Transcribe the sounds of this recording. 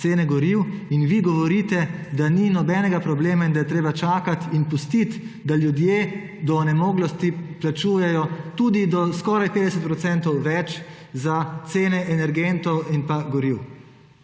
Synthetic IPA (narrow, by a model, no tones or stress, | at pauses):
seːnɛɡɔɾiwinʋiɡɔʋɔɾit̪ɛd̪aninɔbɛnɛɡapɾɔbleːmaind̪ajɛt̪ɾeːbat͡ʃaːkat̪inpust̪it̪d̪aljud̪jeː | d̪ɔnɛmoːɡlɔst̪iplat͡ʃuːjɛjɔt̪uːd̪id̪ɔskɔːɾajped̪ɛsɛt̪pɾɔt̪sɛnt̪ɔwʋɛt͡ʃ | zat̪seːnɛʔɛnɛɾɡent̪ɔwinpaɡɔɾiw